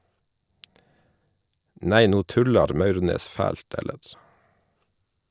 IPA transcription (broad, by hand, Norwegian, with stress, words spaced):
ˈneɪ ˈnuː ˈtʉlɑɾ ˈmɑʉʁneːs ˈfæːlt ˈɛləɾ